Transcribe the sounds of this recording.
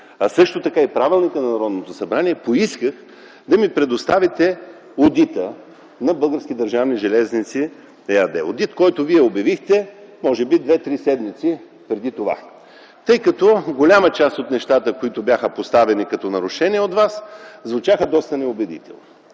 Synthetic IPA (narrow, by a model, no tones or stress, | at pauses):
ɐsɤʃt̪ot̪ɐkaipɾavilˠnikənɐnɐɾɔd̪not̪osɐbɾaniɛpoiskəx | d̪ɐmipɾɛd̪ost̪avit̪ɛ | od̪it̪ə | nɐbɤlˠɡəɾsk̟ʲid̪ɐɾʒavniʒɛlɛznit̪si | ɛɐd̪ɛ̰o̰d̪it̪kɔjt̪ʊviɛobʲjɐvixt̪ɛmɔʒɛbid̪vɛt̪ɾisɛd̪mit̪si | pɾɛd̪it̪ova̰ | t̪ɤjkɐt̪ɔɡolʲamət͡ʃast̪ot̪nɛʃt̪at̪əkoit̪ʊbʲjaxəpost̪avɛnikɐt̪ɔnɐɾʊʃɛnʲiɛot̪vaszvut͡ʃaxəd̪ɔst̪ɐnɛobɛd̪ḭt̪ɛ̰lˠno